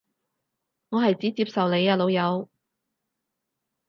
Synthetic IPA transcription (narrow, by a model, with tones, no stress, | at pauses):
ŋɔː˨˧ɦɐ˨jt͡siː˨˥t͡siː˧p̚sɐ˨wne˨˧jaː˨˧lo˨˧wjɐ˨˧w